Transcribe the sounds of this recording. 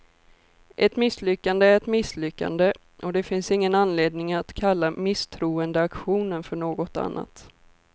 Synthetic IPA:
ʔɛt̪mɪslʏkːand̪əæɾɛt̪mɪslʏkːa̰nd̪ə | ʔɔd̪ɛfɪnsɪŋːənanleːd̪nɪŋat̪kʰalːamɪst̪ʰɾuːənd̪əakɧuːnənfœɳoːɡɔt̪a̰nːa̰t̪

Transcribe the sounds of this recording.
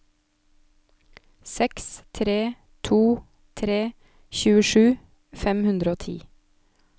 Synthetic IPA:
sɛkst̪ʰɾeː | t̪ʰuː | t̪ʰɾeː | çʉːəʃʉː | fɛmhʉnd̪ɾəoːt̪ʰḭː

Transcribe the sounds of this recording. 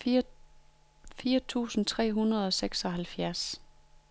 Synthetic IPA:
fiːɐt͡sʰṵːsn̩t͡sʰʁɛ̰ːɦunɐð̞̩ˠɒ̽seɡ̥sɒ̽ɦælfjæɐs

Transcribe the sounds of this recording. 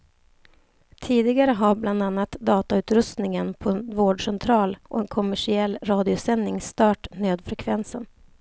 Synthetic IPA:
t̪ʰiːd̪ɪɡaɾəɦaɾbland̪anːat̪d̪ɑːt̪aʉ̟ːt̪ɾɵst̪nɪŋənpʰɔɛnvoːɖʂɛnt̪ʰɾɑːlʔɔ̰ɛnkʰɔmæʂɪɛlːɾɑːd̪ɪʊsɛnːɪŋst̪œːʈnøːd̪fɾɛkʰvɛnsən

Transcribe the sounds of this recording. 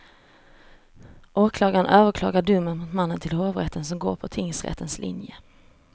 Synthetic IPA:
ʔoːkʰlɑːɡanʔøːvəɾkʰlɑ̰ːɡaɖɵmːənmʊt̪manːənt̪ʰɪlhoːvɾɛt̪ʰːəns̬ɔmɡo̰ːɾpʰɔt̪ʰɪŋsɾɛ̰t̪ʰːənslʔɪ̰njə

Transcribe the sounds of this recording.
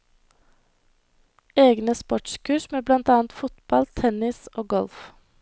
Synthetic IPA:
eːɡnəspɔʈʃkʰʉːʃmeːblɑnt̪ɑːnt̪fʊt̪bɑlt̪ʰɛnɪsoːɡɔlf

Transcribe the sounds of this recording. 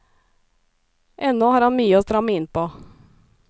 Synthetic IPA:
ʔɛnːɔhɑːɾhɑnmyːəoːst̪ɾɑmːəɪnpoː

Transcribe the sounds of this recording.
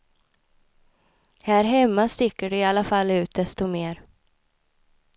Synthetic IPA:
hæːɾɦɛmːast̪ɪkːəɖɛɪalːafalːʉ̟ːt̪̚d̪ɛst̪ɔmeːɾ

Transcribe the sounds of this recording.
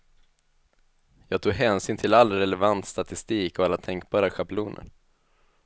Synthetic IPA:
jɑːɡt̪ʰuːɡɦɛːnsyːnt̪ʰɪlalːɾɛlɛvant̪st̪at̪ɪst̪iːkɔalːat̪ʰɛŋk̚bɑːɾaɧapluːnʔə̰ɾ

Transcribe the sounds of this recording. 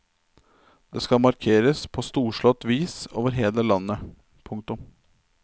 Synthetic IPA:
d̪̥eːskɑlmɑɾkʰeːɾəspʰost̪uːʂɭɔt̪ʋiːsoːʋəɾɦeːləlɑnːə | pʰʊŋkt̪ʊm

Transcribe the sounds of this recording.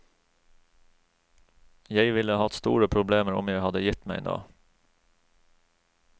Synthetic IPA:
jæɪʋɪləhɑt̪st̪ṵːɾəpʰɾʊbleːməɾʊ̰mjæɪhɑd̪əjɪt̪mæɪno̰ː

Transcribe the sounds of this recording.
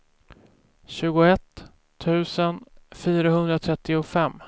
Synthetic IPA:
ɕʉ̟ːɡʊɛt̪ʰː | ʉ̟ːsənfyːɾaɦɵnd̪ɾat̪ʰɾɛt̪ːɪʊfɛmː

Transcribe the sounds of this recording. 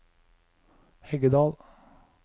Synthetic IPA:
hɛɡəd̪ɑːl

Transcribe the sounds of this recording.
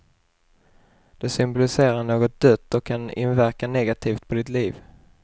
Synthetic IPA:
d̪̥ɵsʏmbɔlɪseːɾaɳoːɡɔt̪̚d̪̥œt̪ːɔkʰːanɪ̰nvæɾkanɛɡat̪ʰiːft̪̚pʰɔd̪ɪt̪liːv

